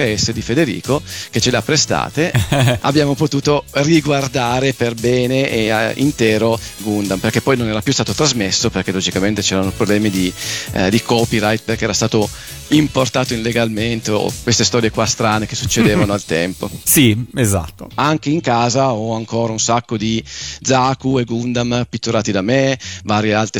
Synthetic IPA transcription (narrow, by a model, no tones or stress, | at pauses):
ɛsːed̪ifed̪eɾḭːkoket͡ʃːeleapːɾest̪a̰ːt̪ea̰bːjaːmopot̪uːt̪oriɡward̪aːɾeperbɛːneʔeḭnt̪ɛːɾoɡund̪amperkepːɔjnonɛːɾapjust̪aːt̪ot̪ɾazmesːoperkelod͡ʒikament̪et͡ʃɛːɾanopɾoblɛːmid̪id̪ikɔːpiɾajt̪̚perkeɛːɾast̪aːt̪o | import̪aːt̪oilːeɡalment̪eo̰kwest̪est̪ɔːɾjekwast̪ɾaːnekesːut͡ʃːed̪eːvanoalt̪ɛmpo̰sieza̰t̪ːo̰aŋk̟eiŋkaːzaɔaŋkoːɾaunsakːod̪id̪zakueɡund̪ampit̪ːoɾaːt̪id̪amevaːɾjealt̪ɾe